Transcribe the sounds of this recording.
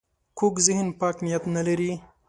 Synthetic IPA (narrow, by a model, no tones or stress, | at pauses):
kʰukzɪhnpɑːknɪjat̪nalaɾi